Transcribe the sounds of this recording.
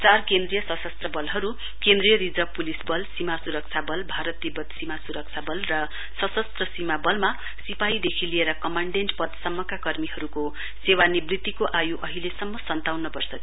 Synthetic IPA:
t͡sarkend̪rijʌsʌsʌst̪rʌbʌlɦʌɾu | kẽnd̪rijʌɾid͡zʌpulisbʌlsimasuɾʌk̚t͡sʰabʌlbʱaɾʌt̪̚ːibʌd̪simasuɾʌk̚t͡sʰabʌlrʌ | sʌsʌst̪rʌsimabʌlma | sipajid̪ekʰilieɾʌkʌmaɳɖeɳʈpʌd̪sʌmːʌkakʌrmiɦʌɾuko | sewanibrit̪ːikoʔajuʔʌɦilesʌmːʌsʌnt̪awnʌbʌrsʌ

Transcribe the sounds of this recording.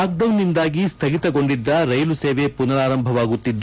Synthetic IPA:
aːk̚ɖɐwnːind̪aːɡist̪ʰɐɡit̪ɐɡo̞ɳɖid̪ːɐɾɐjluseːʋepunɐɾaːɾɐmbʱɐʋaːɡut̪ːid̪ː

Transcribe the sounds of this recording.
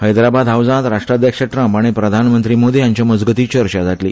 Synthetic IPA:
həjd̪ɾabad̪ʱɦaʋd͡zãt̪ɾaʂʈɾad̪jəkʂəʈɾəmpaɽ̃ipɾəd̪ʱanmənt̪ɾiːmod̪ʱijaɲt͡ɕjaməd͡zɡət̪iːt͡ɕəɾɕad͡zʱaʈlḭː

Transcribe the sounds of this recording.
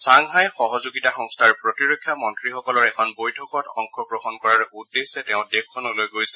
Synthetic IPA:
saŋɦajxɔɦɔzuɡitaxɔŋstʰaɹpɹotiɹokʰːjamɔntɹixɔkɔlɔɹɛkʰɔnbojtʰɔkɔtɔŋkʰɹɔkɹɔxɔnkɔɹaɹɛudːesɛtɛʊ̃dekʰːɔnulojɡojsɛ̥

